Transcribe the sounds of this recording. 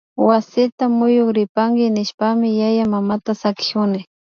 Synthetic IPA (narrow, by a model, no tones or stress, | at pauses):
wasɪt̪amʊjokɾɪpaŋɡɪnɪʃpamɪjajamamat̪asakɪ̥ʊnɪ